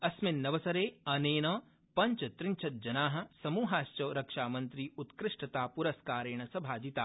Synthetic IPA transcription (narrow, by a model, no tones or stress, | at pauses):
ɐsmɪnːɐʋɐsɐɾeːɐneːnɐː | pɐɲt͡ʃɐt̪ɾɪɲt͡ʃʰɐt̪̚d͡ʒɐnaːɦɐ̆sɐmuːɦaːst͡ʃɐːɾɐkʂaːmɐ̃nt̪ɾiːut̪kɾɪʂʈɐt̪aːpuɾɐskaːɾeːɳ̃ɐsɐbʱaːd͡ʒit̪aː